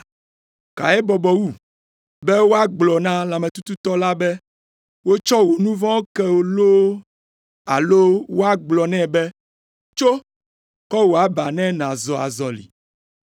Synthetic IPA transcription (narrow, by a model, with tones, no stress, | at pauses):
ka̰˨ɛ˦bɔ˨bɔ˨wu˦˨ | bɛ˦wo˦a˦ɡ͡blɔ˨nã˦la˨mɛ˨t̪u˦t̪u˦t̪ɔ˦la˦bɛ˦ | wo˦t͡ʃɔ˦wo˨nũ˦vɔ̃˦wo˦kɛ˦wo˨lo˦ | a̰˨lo˦wo˦a˦ɡ͡blɔ˨nɛ̃˦˨bɛ˦ | t͡ʃo˦ | kɔ˦wo˨a˨ba˨nɛ̃˦nã˨zɔ˨a̰˨zɔ˨lḭ˨